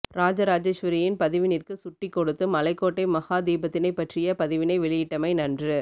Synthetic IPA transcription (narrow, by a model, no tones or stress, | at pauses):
ɾaːd͡ʒɐɾaːd͡ʒeʃʋɐɾɪjɪnpɐðɪʋɪnɪrkɯsʊʈːɪkːɔɽɯt̪ːɯmɐlɐɪkːoːʈːɐɪmɐɣaːd̪iːbɐt̪ːɪnɐɪpːɐʈrɪjɐpɐðɪʋɪnɐɪʋɛɭɪjɪʈːɐmɐɪnɐndrɯ